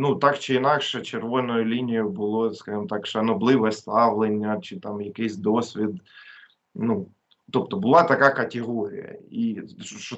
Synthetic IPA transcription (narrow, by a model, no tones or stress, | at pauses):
nut̪ɑkt͡ʃɪinɑkʃɛt͡ʃerʋɔnɔjʊlʲinʲijʊbʊlˠɔskɑʒɨmɔt̪ɑkʃɐnɔblˠɪʋst̪ɑʋlˠenʲːɐt͡ʃɪt̪ɑmjɐkɪsʲd̪ɔsʲʋʲid̪ | nu | t̪ɔp̚t̪ɔbʊlˠɑt̪ɐkɑkɐt̪ʲɪɦɔɾʲḭjɐ̰iʃɔ